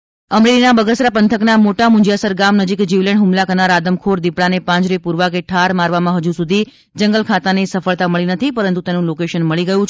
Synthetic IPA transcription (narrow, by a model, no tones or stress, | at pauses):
əmɾelinabəɡəsɾapənt̪ʰəknamoʈamʊ̃d͡ʒjasəɾɡamnəd͡ʒikd͡ʒiʋlɛɳɖɦumlakənaɾad̪əmkʰoɾd̪ipɭanepãɲd͡ʒɾepuɾʋakeʈʰaɾmaɾʋamãɦəd͡ʒusud̪ʱi | d͡ʒəŋɡəlkʰat̪anesəfəɭt̪aməɭinət̪ʰipəɾənt̪ut̪enũlokeʃənməɭiɡəjũt͡ʃʰ